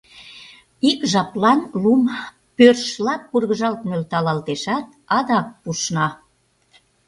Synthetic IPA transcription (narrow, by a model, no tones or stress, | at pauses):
ikʒɑplɑnlum | pørʃlɑpːurɣəʒɑlt̪nølt̪ɑlɑlt̪eʃɑt̪̚ | ɑd̪ɑk̚puʃnɑ